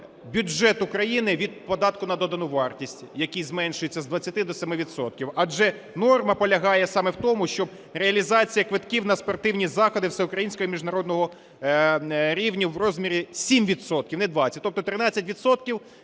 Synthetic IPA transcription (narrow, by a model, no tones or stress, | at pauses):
bʲud͡ʒɛt̪ʊkɾɐjinɪʋʲid̪̚pɔd̪ɑt̪kʊnɐd̪ɔd̪ɐnuʋɑrtʲisʲtʲjɐkijzmɛnʃʊjet͡sʲːɐzd̪ʋɐt͡sʲːɐt̪ɪd̪ɔsɛmɪʋʲit̪sɔt̪̚kʲiwɐd͡ʒɛ | nɔrmɐpɔlʲɐɦɑjɛsɑmɛwt̪ɔmʊʃt͡ʃɔb̚ | ɾeɐlʲizɑt͡sʲijɐkʋɪt̪kiwnɐspɔrt̪ɪwnʲizɑxɔd̪ɪwsɛʊkɾɐjinʲsʲkɔɦɔmʲiʒnɐɾɔd̪nɔɦɔ | ɾʲiwnʲiwrɔzʲmʲiɾʲisʲimʋʲit̪sɔt̪̚kʲiwnɛd̪ʋɑt͡sʲsʲɐt̚ʲt̪ɔp̚t̪ɔt̪ɾɪnɑt͡sʲːɐtʲʋʲid̪sɔt̪̚kʲiw